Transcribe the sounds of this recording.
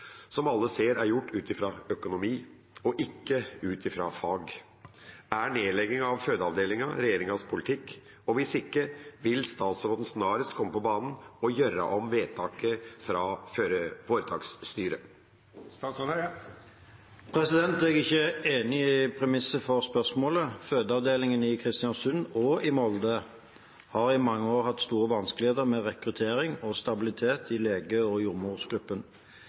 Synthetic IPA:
sɔmɑlːəseːɾæɾjʊʈːʉːt̪ɪfɾɑœkʊnʊmiː | ɔʔɪkːəʉːt̪ɪfɾɑ̰fɑːɡ | æɳeːlɛɡːɪŋɑʋhøːd̪əɑʋd̪eːlɪŋɑɾɛjeːɾɪŋɑspʰʊlɪt̪ʰɪkː | ɔʋɪsɪkːəʋɪlst̪ɑːt̪sɾoːd̪n̩snɑːɾəst̪kʰɔmːəpɔbɑːnən̩ɔjœɾɑ̰ʔɔmʋeːt̪ʰɑːkəfɾɑføːɾəfoːɾət̪ʰɑːksːt̪yːɾə̰ | pʰɾɛsɪd̪ɛnt̪ɛɡɪçːəeːnɪpʰɾɛmɪsəfɔʁspœʁsmoːləføːd̪əɑʋd̪eːlɪŋənɪkʰʁɪst̪ɪɑnsʉnɔɪmɔld̪ə | hɑːʁɪmɑŋːəoːʁhɑt̪st̪uːʁəʋɑnsklɪheːt̪əɾmɛːʁɛkɾʉt̪ʰeːɾɪŋɔst̪ɑbɪlɪt̪ʰeːt̪ʰɪleːɡəɔjʊmʊʁsɡɾʉpːən

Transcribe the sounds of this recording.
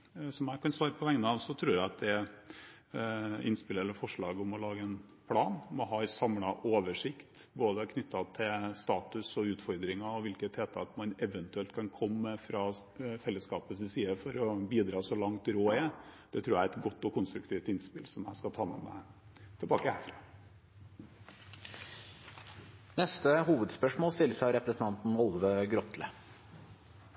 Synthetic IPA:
sɔmjæɪkʰɑnsʋɑːɾəpʰɔʋɛŋnəɑʋsɔt̪ʰɾʉːɾæɑt̪̚d̪ɛ | ɪ̰nspɪlɛlːəɾfɔʂɭɑːɡʊmɔlɑːɡəɛn | pʰlɑːnmɔɦɑːɪsɑmlɑʔoːʋəʂɪkt̪boːd̪əkʰnʏt̪ːɑt̪ʰɪlst̪ɑːt̪ʉsɔʉːt̪fɔɾd̪ɾɪŋɑɔʋɪlkət̪ʰeːt̪ʰɑt̪mɑnɛʋənt̪ʉɛlt̪̚kʰɑnkʰɔmːəfɾɑ | fɛlːəskɑːpəsəsiːəfɔɾɔbiːd̪ɾɑːsɔlɑŋt̪ɾoːɛd̪̥ɛt̪ʰɾuːjæɛt̪ɡɔt̪ːɔkʊnst̪ɾʉkt̪ʰiːʋt̪ɪnspɪlsɔmæ̰ɪskɑt̪ʰɑːmɛ̰mɛ̰ | t̪ʰɛlbɑːkəhæ̰ɾfɾɑː | nɛst̪əhuːʋəd̪spœʂmoːlst̪ɪlːsɑɾɛpɾəsən̩t̪ʰɑnt̪n̩ɔlʋəɡɾɔt̪lə̰

